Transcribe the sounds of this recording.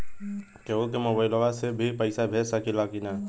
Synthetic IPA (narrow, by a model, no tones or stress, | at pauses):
keːbolkemoːbaːɪloʋasebʱipəɪsabʱeːɾsakɪlakina